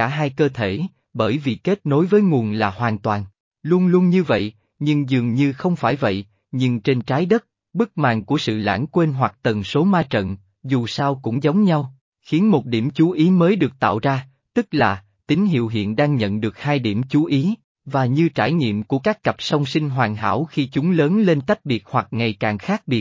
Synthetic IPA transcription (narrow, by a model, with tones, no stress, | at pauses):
aː˧˩ɦaː˧jkəː˧t̪ʰe˧˩ | ɓəː˧˩jvḭ˧˨˩ke˦˥t̚no˨˦jvəː˨˦jŋu˨˩ənlaː˨˩hwaː˨˩nt̪waː˨˩n | lu˧ənlu˧ənɲɨ˧və̰˧˨j | ɲɨ˧ŋzɨ˨˩əŋɲɨ˧xə˧wŋ͡mfaː˧˩jvə̰˧˨j | ɲɨ˧ŋt͡ɕe˧nt͡ɕaː˨˦jɗə˦˥t̚ | ɓɨ˦˥k̚ma̰ː˧˨nku˧˩əsɨ̰˧˨la̰ː˧˥nkwe˧nɦwa˨˩k̚t̪ə˨˩nso˨˦maː˧t͡ɕə̰˧˨n | zu˨˩saː˧wkʊ̰˧˥ŋ͡mzə˨˦wŋ͡mɲa˧w | xi˨˦ənmo˨˩t̚ɗi˧˩əmt͡ɕu˨˦ʔi˨˦məː˨˦jɗɨ˨˩ək̚t̪a̰ː˧˨wzaː˧ | t̪ɨ˦˥k̚laː˨˩ | t̪ï˨˦ŋ̟ɦḭ˧˨əwɦḭ˧˨ənɗaː˧ŋɲə̰˧˨nɗɨ˨˩ək̚haː˧jɗi˧˩əmt͡ɕu˨˦ʔi˨˦ | vaː˨˩ɲɨ˧t͡ɕaː˧˩jɲḭ˧˨əmku˧˩əkaː˦˥kːə˨˩p̚sa˧wŋ͡msi˧ŋ̟ɦwaː˨˩ŋɦa̰ː˧˥wxi˧t͡ɕʊ˨˦ŋ͡mləː˨˦nle˧nt̪a˦˥k̚ɓi˨˩ət̚hwa˨˩k̚ŋa˨˩jkaː˨˩ŋxaː˦˥k̚ɓi˨˩ət̚